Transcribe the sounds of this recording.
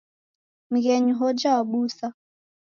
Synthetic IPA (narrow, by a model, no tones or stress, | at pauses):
m̩ɣɛɲuɦɔd͡ʒawaɓusa